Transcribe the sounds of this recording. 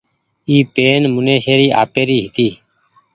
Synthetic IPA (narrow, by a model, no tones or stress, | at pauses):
iːpeːnmʊneːʃeːɾiːʔa̰ːpeːɾiːɦɪt̪iː